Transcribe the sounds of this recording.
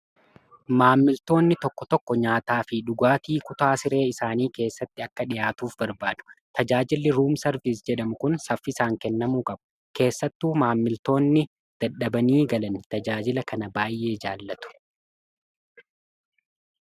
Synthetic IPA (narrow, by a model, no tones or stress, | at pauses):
maːmːɪlt̪o̞ːnːɪt̪ɔkːɔt̪ɔkːɔɲaːt̪aːfɪᶑʊɡaːt̪iːkʊt̪aːsɪɾe̞ːɪsaːniːke̞ːsːɐt̪ːɪɐkːɐᶑɪjaːt̪uːfbɐɾbaːdʊ̥t̪ɐd͡ʒaːd͡ʒɪlːɪɾuːmsɐɾvisd͡ʒɛᶑɐmʊkʊnsɐfːɪsaːŋkɛnːɐmuːkʼɐbʊ̥ | ke̞ːsːɐt̪ːuːmaːmːɪlt̪o̞ːnːɪ | d̪̥ɐɗɐbɐniːɡɐlɐnɪt̪ɐd͡ʒaːd͡ʒɪlɐkɐnɐbaːjʔe̞ːd͡ʒaːlːɐt̪ʊ̥